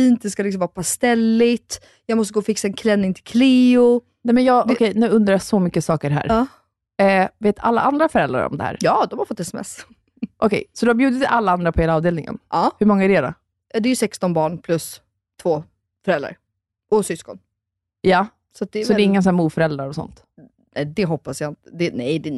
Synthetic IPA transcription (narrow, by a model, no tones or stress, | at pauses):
fiːnt̪̚d̪ɛskalɪks̬ɔmvɑːɾapʰast̪ɛlːɪt̪ | jɑːɡmɔst̪əɡoːfɪksaɛnkʰlɛnːɪŋt̪ʰɪlkʰleːʊ | nɛmɛnjɑːɔkʰɛjnʉ̟ːɵnd̪ɾajɑsɔmʏkːəsɑːkəɾɦæ̰ːɾɑː | ɛːveːt̪ʰa̰lːaʔand̪ɾafœɾɛlɾa̰ɾɔ̰md̪ɛ̰hæ̰ːɾjɑːd̪ɔmhaɾfɔt̪ːɛsɛmɛ̰s | ʔɔkʰɛ̰jsɔd̪ɵhabjʉːd̪ɪt̪alːaand̪ɾapʰɔheːlaːvd̪eːlnɪŋə̰nɑːhɵmɔŋːaæɖɛeːd̪a̰ | ɑd̪ɛɾjʏsɛkst̪ɔnbɑːɳpʰlɵs | t̪ʰvoː | fœɾɛlɾa̰ɾ | ɔsʏskɔn | ja | sat̪̚d̪ɛsɔd̪ɛɪŋːənsɔnæːmuːfœɾɛld̪ɾaɾɔsɔ̰nt̪ | nɛd̪ɛɦɔpːasjaɪnt̪ə̥d̪ɛnɛjd̪ɛ